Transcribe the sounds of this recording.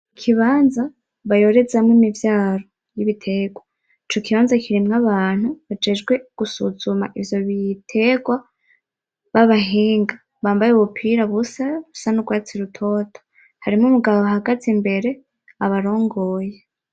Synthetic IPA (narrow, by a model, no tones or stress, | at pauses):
kʰiβaːnza | βajo̞ɾe̞zamŋonivjaːɾo̞ | jiβitʰe̞ːɡwa | it͡ʃo̞kiβaːnzakʰiɾimŋaβaːn̥huβad͡ʒe̞ːd͡ʒɡwe̞ɡ̥usuzuma̰ʔivjo̞βitʰe̞ɡwa | βaβaɦiːŋɡa | βaːmbajeuβupʰiɾaβusaβusanuɡwaːt͡siɾutʰo̞tʰo̥ | haɾimŋumuɡaβoaɦaɡatimbe̞ɾe̞ | aβaɾo̞ːŋɡo̞ːje